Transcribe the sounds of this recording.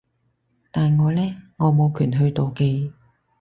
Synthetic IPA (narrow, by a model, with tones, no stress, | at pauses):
t̪aː˨nŋɔː˨˧lɛː˥ŋɔː˨˧mo˨˧wkʰyː˨˩nɦɵ˧ɥt̪o˨wke˧j